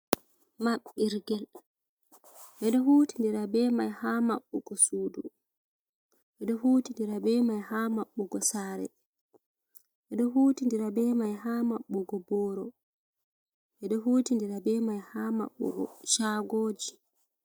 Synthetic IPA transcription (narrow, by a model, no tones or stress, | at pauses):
maɓːiɾɡɛl | ʔɛɗɔɦuːtindiɾabɛːmajhamaɓːɔɡɔsuːdu | ʔɛɗɔhuːtindiɾabɛːmajhamaɓːɔɡɔsaɾɛ̰ | ʔɛɗɔɦuːtindiɾabɛmajɦaːmaɓːɔɡɔbɔːɾɔ | ʔɛɗɔɦuːtindiɾabɛmajhaːma̰ɓːɔ̰ɡɔ̰ʃaːɡoːd͡ʒi